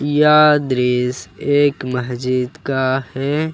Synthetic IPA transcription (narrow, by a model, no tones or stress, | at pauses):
jaːd̪ɾiːseːkməsd͡ʒiːd̪kahɛː